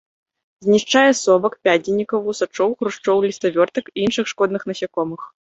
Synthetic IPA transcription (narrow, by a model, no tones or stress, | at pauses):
zʲnʲiʂt͡ʂajɛsɔbɐkpʲainʲːikɐwvusat͡ʂɔwxɾuʂt͡ʂɔwlʲist̪ɐvʲɔrt̪ɐkiinʂɨxʂkɔd̪nɨxnɐsʲakɔmɨx